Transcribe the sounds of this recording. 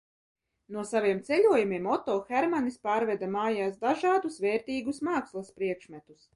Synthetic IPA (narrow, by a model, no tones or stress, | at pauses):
nuɔsaviɛmt̪sɛlʲuɔjumʲiɛmɔt̪oːxɛɾmanispaːɾvɛd̪amaːjaːsd̪aʒɑːd̪usvɛːɾt̪iːɡusmaːkslˠaspɾiɛkʃmɛt̪us